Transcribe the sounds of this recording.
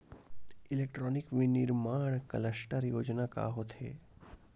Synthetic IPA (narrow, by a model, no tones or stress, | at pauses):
ɪleːkʈɾɔːnɪkʋinɪɾmaːɳ̃kələsʈəɾjoːd͡ʒnaka̰ɦot̪ʰḛː